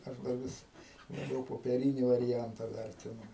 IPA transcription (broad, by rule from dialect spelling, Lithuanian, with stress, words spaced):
ˈɐʃ dɐ ˈʋʲɪs lˠɐˈbʲɛʊ poːpʲɛˈrʲiːnʲɪ ʋɐrʲɪˈjɛntɐ ˈʋʲɛrʲtʲɪnʊ